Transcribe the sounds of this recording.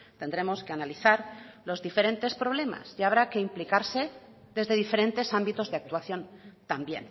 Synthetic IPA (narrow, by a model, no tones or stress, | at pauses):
t̪e̞nd̪ɾe̞mo̞skeanaliθaɾlo̞zðife̞ɾe̞nt̪e̞spɾo̞β̞le̞ma̰sʝaːβ̞ɾake̞implikaɾse̞ | ðe̞zðe̞ðife̞ɾẽ̞nt̪e̞sambit̪o̞zðeak̚t̪waθjõ̞nt̪ambje̞̰n